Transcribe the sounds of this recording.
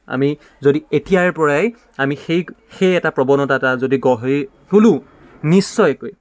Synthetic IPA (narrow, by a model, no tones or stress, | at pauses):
a̰mi | zodietijaɹpɔɹaj | amixej | xejɛtapɹɔbɔnɔtatazodiɡɔɦj | tulʊ̃ | nisːɔjkoj